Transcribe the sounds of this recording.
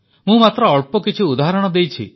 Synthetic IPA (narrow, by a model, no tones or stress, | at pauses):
mũmat̪ɾɔːɭpɔkit͡ʃʰiud̪aɦaɾɔɽ̃ɔd̪ejt͡ʃʰḭ